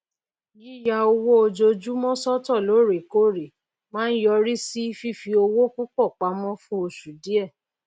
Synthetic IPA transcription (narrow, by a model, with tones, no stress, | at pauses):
ji˦ja˧o˧wo˦o˧d͡ʒo˧d͡ʒu˦mɔ̃˦sɔ˦tɔ˦˨lo˨˦ɾe˨ko˦˨ɾe˨ | mãː˦n̩˦jɔ˧ɾi˦si˦fi˦˨fi˧o˧wo˦ku˦k͡pɔ˦˨k͡pa˨˦mɔ̃˦fũ˦o˧ʃu˨di˦ɛ˦˨